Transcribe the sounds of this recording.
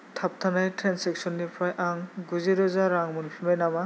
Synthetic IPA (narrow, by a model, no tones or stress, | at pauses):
tʰap̚tʰanajtʰɾansɛksɔnːipʰajʔaŋɡuziɾɔzaɾaŋmunpʰimajnama